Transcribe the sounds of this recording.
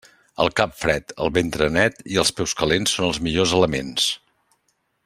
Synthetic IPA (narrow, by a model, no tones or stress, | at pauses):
ə̰lˠkapfɾɛt̪ə̰lˠβent̪ɾənɛt̪iəlˠspɛwskəlensːonəlˠzmiʎozələmens